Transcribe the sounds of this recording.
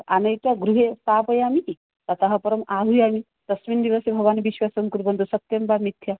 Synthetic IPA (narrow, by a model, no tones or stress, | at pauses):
a̰nɐjt̪jaɡɾuɦesaːpɐjaːmii | t̪at̪aɦɐpɐɾɐmaːɦujaːmi | t̪ɐsʋind̪iʋasebʱɐɡʋaːniʋiʃʋaːsɐŋkuɾbɐnd̪ʱusɐt̪jɐmbamit̪ʰja